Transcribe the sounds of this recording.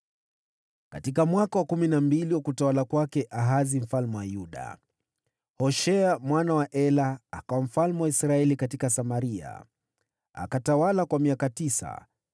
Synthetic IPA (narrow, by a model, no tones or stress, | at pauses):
katikamwakawakuminambiliwakutawalakwakɛʔaɦazim̩falmuwajuɗa̰ | hɔʃɛamwanawaʔɛlaːkawam̩falmuwaisɾaɛlikatikasamaɾia̰ | a̰katawalakwamiakatisa̰